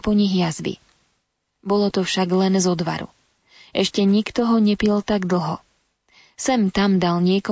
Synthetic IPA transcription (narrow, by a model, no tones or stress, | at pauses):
pɔɲiɣjazbḭ | bɔlɔt̪ɔfʃaɡlɛnzɔd̪ʋa̰ɾṵ | ʔɛʃcɛɲikt̪ɔɦɔɲɛpilt̪aɡd̪l̩ɦɔ̰ | sɛmt̪amd̪alɲɪɛkɔ